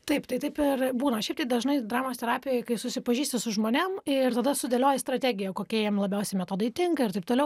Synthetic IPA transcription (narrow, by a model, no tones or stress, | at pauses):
t̪ɐɪpt̪ɐɪt̪ɐɪpɪrbuːnɐʃʲɛɪp̚t̪ɐɪd̪ɐʒnɐɪd̪ɾɑːmoːst̪ʲɛɾɑːpʲɪjɛːjkɐɪsʊsʲɪpɐʒʲiːsʲt̪ʲɪsʊʒmoːnʲɛmɪrt̪ɐd̪ɐsʊd̪ʲelʲoːjɛst̪ɾɐt̪ʲæːɡʲɪjɛkoːkʲiɛjɛmlˠɐbʲɛʊsʲɛɪmʲɛt̪oːd̪ɐɪt̪ʲɪŋkɐɪrt̪ɐɪp̚t̪oːlɛʊ